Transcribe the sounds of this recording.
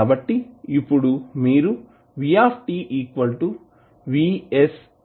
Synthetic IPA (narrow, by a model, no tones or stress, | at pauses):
bɐʈːiipːuɽumiːɾu | ʋijaːpʰʈiːʔiːkʋɐlʈu | ʋiːes